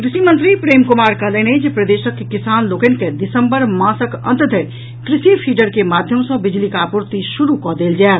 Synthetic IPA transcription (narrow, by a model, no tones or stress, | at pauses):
kɾisimənt̪ɾipɾemkumaɾkələned͡ʒepɾəd̪esəkːekisanlokənked̪isəmbəɾmãsəkə̰̃nt̪d̪ʱeɾ | kɾisipʰiɖəɾkemad̪ʱjəmsə̃bid͡ʒlikapuɾt̪isuɾukɔd̪eld͡ʒael